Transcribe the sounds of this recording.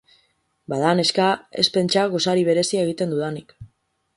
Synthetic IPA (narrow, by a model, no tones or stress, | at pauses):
baðane̞skae̞̰spe̞nt͡ʃaɣo̞saɾiβ̞e̞ɾe̞siaeɣ̞it̪e̞nd̪uðanik